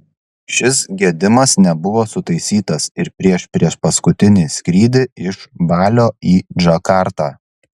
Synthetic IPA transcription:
ʃʲɪsɡʲiɛd̪ʲɪmɐsnʲɛbʊʋoːsʊt̪ɐɪsʲiːt̪ɐsɪɾpʲɾʲiɛʃpʲɾʲiɛʃpɐskʊt̪ʲɪnʲiːsʲkɾʲiːd̪ʲɪɪʃʋɑːlʲoːiːd͡ʒɐkɑˑɾt̪ɑː

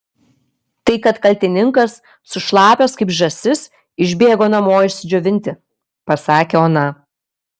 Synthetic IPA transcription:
t̪ɐɪkɐt̪kɐlʲt̪ʲɪnʲɪŋkɐsː | ʊʃlˠɑːpʲoːskɐɪpʒɐsʲɪs | ɪʒʲbʲeːɡoːnɐmoːɪʃʲsʲɪd͡ʒʲoʋʲɪnʲt̪ʲɪ | pɐsɑːkʲeoːnɐ

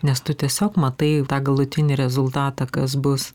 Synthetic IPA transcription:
nʲɛst̪ʊt̪ʲiɛsʲoːkmɐt̪ɐɪt̪ɑːɡɐlˠʊt̪ʲɪnʲɪɾʲɛzʊlˠt̪ɑːt̪ɑkɐs̬bʊs

